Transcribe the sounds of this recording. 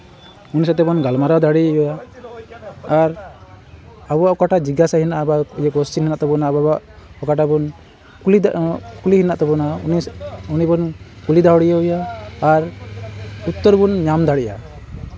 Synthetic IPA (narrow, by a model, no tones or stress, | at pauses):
unisat̪ɛbɔnɡalmaɾad̪aɽiujɔja | ɾ | abɔaʔɔkaʈad͡ʒiɡasahinaʔbajɛkɔsininaʔt̪ɔbɔnababaʔɔkaʈabɔn | lkulihinaʔt̪ɔbɔnaniunibɔnkulid̪aɦɔɽijaujaːɾ | ut̪ːɔɾbunɲamd̪aɽiʔa̰